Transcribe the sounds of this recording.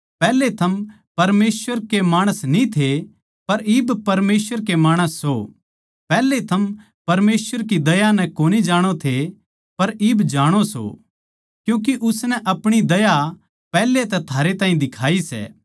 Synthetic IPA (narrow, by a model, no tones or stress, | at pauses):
pɛːlet̪ʰɐm | pɐɾmeːswəɾkemaːɽ̃əsnĩt̪ʰe | pɐɾɪːbpɐɾmeːsʋəɾkemaːɽ̃əsːo | pɛːlːet̪ʰɐm | pɐɾmeːswəɾkid̪ɐjanɛ̃koːnid͡ʒaːɽ̃ot̪ʰe | pɐɾɪːbd͡ʒaːɽ̃oso̰ | kjũːk̬iʔʊsnɛʔɐpɽ̃id̪ɐja | pɛːlːet̪ɛt̪ʰaːɾet̪aːɦĩd̪ɪkʰaːisɛ̰ː